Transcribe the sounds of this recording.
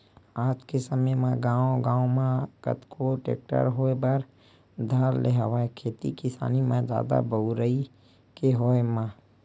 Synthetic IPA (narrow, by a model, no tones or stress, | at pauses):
aːd͡ʒkesəməjmãɡãːõɡãːõmãkə̰t̪kʰoʈḛːk̚ʈə̰ɾɦoːebəɾ | d̪ʱəɾleɦʋaekʰeːt̪ḭkɪsa̰ːnimãd͡ʒa̰ːd̪a̰bəʊɾəi | keɦoːemã